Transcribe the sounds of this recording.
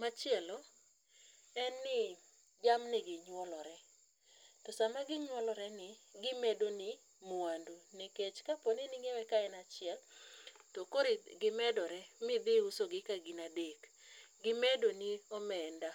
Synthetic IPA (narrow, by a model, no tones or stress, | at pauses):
mat͡ʃɪɛlɔ | ɛnːɪ | d͡ʒamnɪɡɪɲwɔlɔɾɛ | tɔsamaɡɪɲwɔlɔɾɛnɪɡɪmedonɪ | muanduneket͡ʃkaponɪnɪŋɛwɛkaɛnat͡ʃɪɛltɔkoɾɪɡɪmɛdɔɾɛmɪd̪ɪʊsoɡɪkaɡɪnadek | ɡɪmedonɪɔmɛnda